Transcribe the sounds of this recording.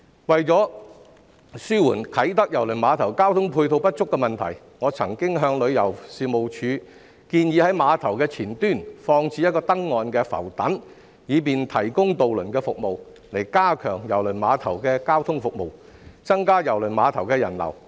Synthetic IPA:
wɐ˨jt͡sɔː˨˥ | syː˥wuː˨˩nkʰɐ˨˥jt̪ɐ˥k̚jɐ˨˩wlɵ˨˩maː˨˧t̪ʰɐ˨˩wkaː˥wt̪ʰʊ˥ŋpʰuː˧jt̪ʰo˧wpɐ˥t̚t͡sʊ˥kːɛː˧mɐ˨nt̪ʰɐ˨˩j | ŋɔː˨˧t͡sʰɐ˨˩ŋkɪ˥ŋɦœː˧ŋlɵ˨˧ɥjɐ˨˩wsiː˨mo˨wt͡ʃʰyː˨˧ | kiː˧njiː˨˧hɐ˨˥jmaː˨˧t̪ʰɐ˨˩wkɛː˧t͡sʰiː˨˩nt̪yː˥˩nfɔː˧ŋt͡sʰiː˧˥jɐ˥t̚kɔː˧t̪ɐ˥ŋːɔː˨nkɛː˧fɐ̰˨˩wt̪ɐ˨˥n | jiː˨˧p̬iː˨nt̪ʰɐ˨˩jkʊ˥ŋt̪o˨wlɵ˨˩nkɛː˧fʊ˨k̚mo˨w | le˨˩jkaː˥kʰœː˨˩ŋjɐ˨˩wlɵ˨˩jmaː˨˧t̪ʰɐ˨˩wkɛː˧kaː˥wt̪ʰʊ˥ŋfʊ˨k̚mo˨w | t͡sɐ˥ŋkaː˥jɐ˨˩wlɵ˨˩jmaː˨˧t̪ʰɐ˨˩wkɛː˧jɐ˨˩nlɐ̰˨˩w

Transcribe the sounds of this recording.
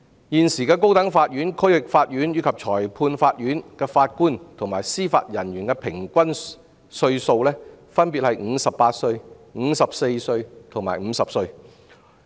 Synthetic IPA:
jiː˨˧nsiː˨˩kɛː˧ko˥wt̪ɐ˨˥ŋfaː˧t̚ɥyː˨˥nkʰɵ˥ɥwɪ˨k̚faː˧t̚ɥyː˨˥nɥyː˨˧kʰɐ˨p̚t͡ʃʰɔː˨˩jpʰuː˧nfaː˧t̚jyː˨˥nkɛː˧faː˧t̚kuː˥nt̪ʰo˨˩ŋmaː˨˩jsiː˥fa̰ː˧t̚jɐ˨˩nɥyː˨˩nkɛː˧pʰɪ˨˩ŋkʷɐ˥n | sɵ˧ɥso˧wlɛː˥ | fɐ˥npiː˨t̚hɐ˨jŋ̩˨˧sɐ˨ppaː˧t̚sɵ˧ɥŋ̩˨˧˥sɐ˨p̚se˧jsɵ˧ɥt̪ʰo˨˩ŋma̰ː˨˩jm̩˨˧sɐ˨p̚sɵ˧ɥ

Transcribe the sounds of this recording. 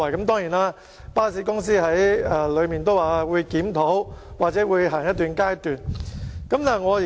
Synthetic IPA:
ɐ˨˩jkɐ˨˥mt̪̬ɔː˥ŋjiː˨˩naː˥ | paː˥siː˨˥kʊ˥ŋsiː˥hɐ˨˥jɐ˧lɵ˨˧ɥmiː˨˩nt̪̬o˥waː˨˩˧wuː˨˧jkiː˨˥mt̪ʰo˨˥wwaː˨k̚t͡sɛː˨˥wuː˨˧jɦaː˨˩ŋjɐ˥t̚t̪yː˨˩nkaː˥jt̪yː˨nkɐ˨˥mnaː˨ŋɔː˨˧˨

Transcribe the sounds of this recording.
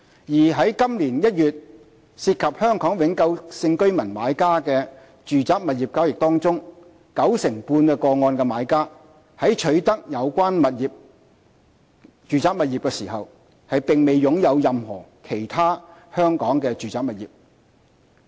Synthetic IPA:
jiː˨˩ɦɐ˨˥jkɐ˥mliː˨˩njɐ˥t̚jyː˨t̚ | siː˧t̚kʰɐ˨p̚hœː˥ŋkɔː˨˥ŋwɪ˨˥ŋkɐ˧wsɪ˧ŋkɵ˥ɥmɐ˨˩nma̰ː˨˥jkaː˥kɛː˧ | t͡ʃyː˨t͡saː˨˥k̚mɐ˨t̚ji˨p̚kaː˥wjɪ˨k̚t̪ɔː˥ŋt͡sʊ˥ŋ | kɐ˨˥wsɪ˨˩ŋpuː˧nkɛː˧kɔː˧ŋɔː˧nkɛː˧maː˨˧jkaː˥ | hɐ˨˥jt͡ʃʰɵ˨˥ɥt̪ɐ˥k̚jɐ˨˧wkʷaː˥nmɐ˨t̚jiː˨p̚ | t͡ʃyː˨t͡saː˨˥k̚mɐ˨t̚ji˨p̚kɛː˧siː˨˩hɐ˨w | hɐ˨jpɪ˨ŋme˨jjʊ˨˥ŋjɐ˨˧wjɐ˨mhɔ̰ː˨˩kʰe˨˩jt̪ʰaː˥hœː˥ŋkɔː˨˥ŋkɛː˧t͡ʃyː˨t͡saː˧k̚mɐ˨t̚jiː˨p̚

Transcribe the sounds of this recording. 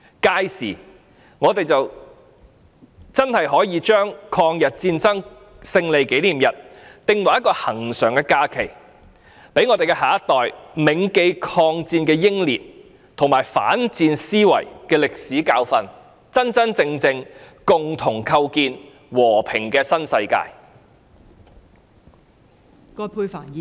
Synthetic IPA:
kaː˧jsḭː˨˩ | ŋɔː˨˧t̪e˨jt͡sɐ˨w | t͡sɐ˥nhɐ˨jɦɔː˨˥jiː˨˧t͡ʃœː˥ŋkʰɔː˧ŋjɐ˨t̚t͡siː˧nt͡sɐ˥ŋ | sɪ˧ŋle˨jke˨˥jliː˨˩mjɐ˨t̚t̪ɪ˧ŋwɐ˨˩jɐ˥t̚kɔː˧hɐ̰˨˩ŋsœː˨˩ŋkɛː˧kaː˧kʰe˨˩j | pe˨˥jŋɔː˨˧te˨jkɛ˧haː˨˩ɐ˥t̪ːɔː˨˩jmɪ˨˧ŋke˧jkʰɔː˧ŋt͡siː˧nkɛː˧jɪ˥ŋliː˨t̚ | t̪ʰʊ˨˩ŋmaː˨˩jfa̰ː˨˥nt͡siː˧nsiː˥wɐ̰˨˩jkɛː˧lɪ˨k̚siː˨˥kaː˧wfɐ˧n | t͡sɐ˥nt͡sɐ˥nt͡sɪ˧ŋt͡sɪ˧ŋ | kʊ˨ŋt̪ʰʊ˨˩ŋkʰɐ˧wkiː˧n | wɔː˨˩pʰɪ˨˩ŋkɛː˧sɐ˥nsɐ˧jka̰ː˧j | kɔː˧pʰuː˧jfaː˨˩˨

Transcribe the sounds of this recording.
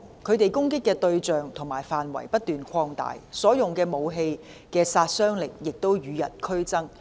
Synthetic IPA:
kʰɵ˨˧ɥt̪e˨jkʊ˥ŋkɪ˥kːɛː˧t̪ɵ˧ɥt͡ʃœː˨ŋt̪ʰʊ˨˩ŋmaː˨˩jfaː˨˩nwɐ̰˨˩jpɐ˥t̚t̪yː˨nkʰɔː˧ŋt̪a̰ː˨jsɔː˨˥jʊ˨ŋkɛː˧mo˨˧wɦe˧j | kɛː˧saː˧t̚sœː˥ŋlɪ˨k̚jɪ˨k̚t̪o˥wjyː˨˧jɐ̰˨t̚kʰɵ˥ɥt͡sɐ˥ŋ

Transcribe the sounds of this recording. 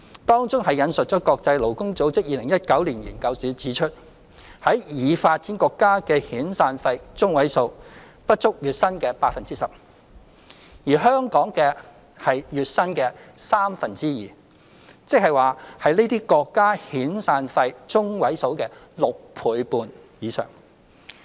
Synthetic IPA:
t̪ɔː˥ŋt͡sʊ˥ŋɦɐ˨jɐ˨˧nsɵ˨t̚t͡ʃɔː˨˥kɔː˧k̚t͡sɐ˧jlo˨˩wkʊ˥ŋt͡so˨˥wt͡sɪ˥k̚jiː˧lɪ˨˩ŋjɐ˥t̚kɐ˨˥wliː˨˩njiː˨˩nkɐ˧wsyː˨˥t͡siː˨˥t͡ʃʰɵ˥t̚ | hɐ˨˥jjiː˨˧faː˧t̚t͡siː˨˥nkɔː˧kːaː˥kɛː˧hiː˨˥nsaː˧nfɐ˧jt͡sʊ˥ŋwɐ˨˥jso˧w | pɐ˥t̚t͡ʃʊ˥k̚jyː˨t̚sɐ˥nkɛː˧paː˧k̚fɐ˨nt͡siː˥sɐ˨˩p̚ | jiː˨˩ɦœː˥ŋkɔː˨˥ŋkɛː˧ | hɐ˨jjyː˨˧t̚sɐ˥nkɛː˧saː˥mfɐ˨nt͡siː˥jiː˨˩ | t͡sɪ˥k̚hɐ˨jwaː˨hɐ˨jne˥t̪iː˥kɔː˧kːaː˥hiː˨˥nsaː˧nfɐ˧jt͡sʊ˥ŋwɐ˨˥jso˨˥wkɛː˧ | lʊ˨k̚pʰuː˨˥jpuː˨˧n | jiː˨˧sœ̰˨˩ŋ

